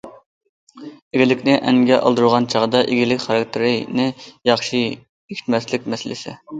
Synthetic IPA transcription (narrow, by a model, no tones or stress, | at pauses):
eɡʲilɪkʲnɪʔɛŋɡʲɛʔɑ̰lˠd̪uɾʁɑnt͡ʃʰɑʁəd̪ɑʔeɡʲilɪkʲχɑɾɑk̚t̪ʰɨɾɪnɪjɑχʃi | ekʲʰt̪mɛslɪk̚ʲmɛsɪlɪsɪ̰